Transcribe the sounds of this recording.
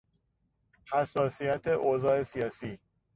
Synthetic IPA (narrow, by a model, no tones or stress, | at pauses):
hæsːɒːsijæt̪ʰe̞ʔozɒːe̞sijɒːsiː